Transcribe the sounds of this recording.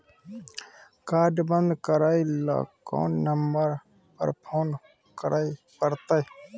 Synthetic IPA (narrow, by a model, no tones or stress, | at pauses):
kaːɾɖbənd̪kəɾaːila̰ːkːo̰ːnːəmbəɾ | pə̰ɾpʰoːn | kəɾʔaːi | pəɾt̪aj